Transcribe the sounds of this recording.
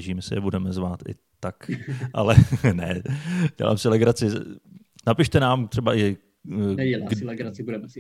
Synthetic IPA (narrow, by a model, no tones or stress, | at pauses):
ʒiːmɛsɪ̰jɛbudɛmɛzvaːt̪ɪ̰ | t̪akʔa̰lɛnɛɟ̥ɛ̰la̰ːmsɪlɛɡɾat͡sɪ | napɪʃt̪ɛnaːmt̪r̥ɛbaʔɪ | ɛlɛɡɾaɪbudɛm